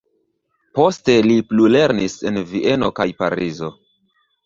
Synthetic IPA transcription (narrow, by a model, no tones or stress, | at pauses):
po̞ste̞liplule̞ɾnise̞nviʔe̞no̞kajpa̰ɾizo̞